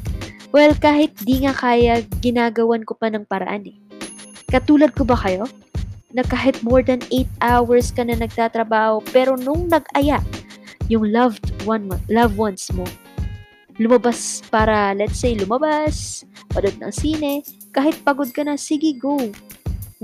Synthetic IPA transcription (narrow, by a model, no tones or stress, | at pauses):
wɛlkaːhɪt̪̚d̪iŋakaːjɐɡɪnaːɡɐwankopɐnɐŋpɐɾɐ̰ʔanɛ | kɐt̪uːlɐd̪̚kobɐkɐjo̞ | nɐkaːɦɪt̪̚moɹd̪ɐnejt̪̚ʔawɐɹskɐnɐnɐɡ̚t̪at̪ɾɐbaːho̞pɛːɾo̞nʊŋnɐɡʔɐjaʔjʊŋlɐvd̪wanlɐvwɐnsmo | lʊmɐbaspaːɾɐlɛt̪sejlʊmɐbaspɐlod̪̚nɐ̰ŋsiːnɛ | kaːhɪt̪̚pɐɡod̪̚kɐnɐsɪɡɪɡow